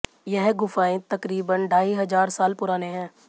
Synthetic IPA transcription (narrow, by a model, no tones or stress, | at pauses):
jɛɦɡʊfaːẽt̪ɐkɾiːbənɖʱaːiɦɐzaːɾsaːlpʊɾaːneɦɛ̃ː